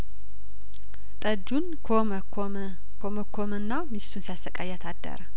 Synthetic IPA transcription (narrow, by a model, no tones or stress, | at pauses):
t̪ʼəd̪unʰo | kʰoməkʰːomɨnːamist̪ʰunsijasəkʼajːat̪ʰad̪ːə̰ɾə